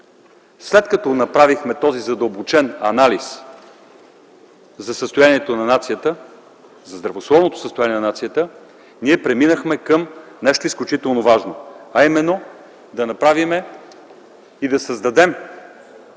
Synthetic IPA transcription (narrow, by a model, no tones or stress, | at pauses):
slɛt̪kɐt̪ɔnɐpɾavixmɛt̪ɔzizɐd̪əlˠbot͡ʃɛnɐnalis | zɐsəst̪ojaniɛt̪onɐnat̪sijət̪ə | zɐzd̪ɾɐvoslˠɔvnot̪o̥səst̪ojaniɛnɐnat̪sijət̪ə | niɛpɾɛminəxmɛkəmnɛʃt̪oisklʲut͡ʃit̪ɛlˠnovaʒnoɐimɛnːo | d̪ɐnɐpɾavimɛ | id̪ɐsəzd̪ɐd̪ɛm